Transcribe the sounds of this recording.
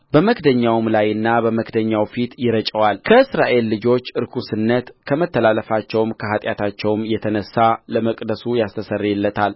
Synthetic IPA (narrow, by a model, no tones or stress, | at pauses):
bəməkd̪əɲːawmlajɨnːabəməkd̪əɲːawfit̪jɪɾət͡ʃʼəwalkʰəɨsɾaʔe̞lːɨd͡ʒo̞t͡ʃːɨɾkʰusɨnːət̪kʰəmət̪ʰːəlaləfat͡ʃːɛwmkʰəɦat̪ʼjat̪ʰat͡ʃːɛwmjɛt̪ʰənəsːaləməkʼd̪əsujast̪ʰəsərːɛlːət̪ʰal